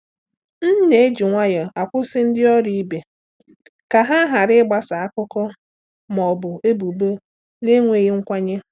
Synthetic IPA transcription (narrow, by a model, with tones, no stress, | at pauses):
n̩˦ne˨e˦d͡ʒi˨ŋʷa˦ja˨a˨kʷʊ˦sɪ˦n̩˦dɪ˦ɔ˦ɾi˦i˦be˨ | ka˨ɦa˦ɦa˨ɾɪ˦ɡ͡ba˨sa˨a˦kʊ˦kɔ˦ | mɔ˨bʊ˨e˦bu˨bo˦ | ne˦ŋʷe˨ɣi˦ŋ̩˦kʷa˦ɲe˦